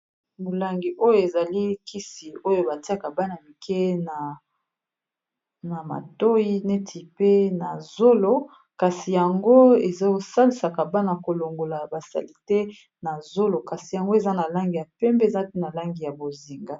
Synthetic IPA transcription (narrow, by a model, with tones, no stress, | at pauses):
mo˨la˨ŋɡi˨ʔo˦jo˦˨e˨za˨li˦ki˦si˨o˦jo˦ba˨ti˦a˦˨ka˨ba˦na˨mi˨kʰe˦na˨ | na˨ma̰˨to˦ji˦ne˦tʰi˨pe˦na˨zo˦lo˦ | ka˨si˨ja˨ŋɡo˦e˨za˦o˨sa˦li˨sa˨ka˨ba˦na˨ko˨lo˨ŋɡo˨la˨ba˨sa̰˨li˨tɛ˦ | na˨zo˦lo˨ka˨si˨ja˨ŋɡo˦e˨za˦na˨la˦ŋɡi˨ja˨pɛ˦mbɛ˦˨za˦pe˦na˨la˦ŋɡi˨ja˨bo˨zi˨ŋɡa˦